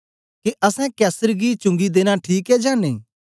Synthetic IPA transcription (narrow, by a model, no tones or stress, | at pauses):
keʔɐsɛ̃kɛːsəɾɡit͡ʃʊ̃ŋɡid̪eːñaʈʰiːkɛd͡ʒaːnḛ